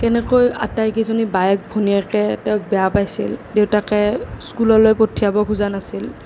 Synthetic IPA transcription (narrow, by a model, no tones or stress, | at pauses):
kɛnɛkoja̰tajkezonibajɛk̚bʱoniakɛtɛʊk̚bɛjapajsildewtakɛskulɔlojpotʰːijabɔkʰuzanasil